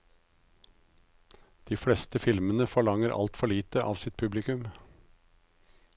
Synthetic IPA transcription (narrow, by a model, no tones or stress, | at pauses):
d̪̥iːfɽɛst̪əfɪlmənəfɔɭɑŋəɾʔɑ̰lt̪fɔɭiːt̪əʔɑ̰ːʋsɪt̪̚pʰʉblɪkʉm